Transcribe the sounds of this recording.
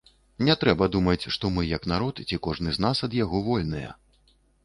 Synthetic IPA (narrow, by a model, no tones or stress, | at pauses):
nʲɛt̪ɾɛbɐd̪umɐt͡sʲʂt̪ɔmɨjɐknaɾɔt̪t͡sʲikɔʐnɨznasɐd̪jaɣɔvɔlʲnɨjɐ̰